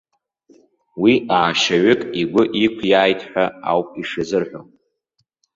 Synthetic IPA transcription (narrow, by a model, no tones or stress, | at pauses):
wiaːʃaɥʊkʼiɡʷʊʔikʷʰjaːjtʰʼħʷᶣaa̰wpʼiʂɨzɨrħʷᶣo̰n